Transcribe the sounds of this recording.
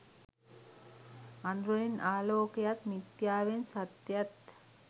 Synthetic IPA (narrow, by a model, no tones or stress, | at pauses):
and̪ɾoenaːloːkejat̪mit̪jaːʋensat̪jat̪